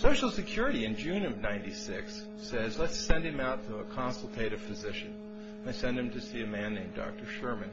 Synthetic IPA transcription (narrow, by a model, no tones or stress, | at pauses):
soʊʃl̩ˠsɨkʰj̥ʊɹɨɾiɨ̃nd͡ʒʉ̃nnãɪ̃ntisɪksː | ɛzlɛtsɛ̃nd̚ɨ̃maʊtʰəːkʰɑ̃nsl̩ˠtʰeɪɾɨv̥fɨzɪʃɨ̃n | aɪsɛ̃nd̚ɨ̃mtʰɨsiɨmæ̃nːẽɪ̃mdɑ̰k̚tə˞ʃɜ˞mɨ̃n